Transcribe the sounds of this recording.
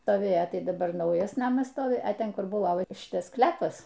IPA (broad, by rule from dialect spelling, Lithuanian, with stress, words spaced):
stoːˈʋʲeːjoː ˈtɐɪ dɐˈbɐr ˈnɐʊjɛs ˈnɑːmɐs ˈstoːʋʲɪ ɐ ˈtʲɛn ˈkʊr ˈbʊʋoː ʋɐ ˈʃʲɪtɐs ˈsklʲæːpɐs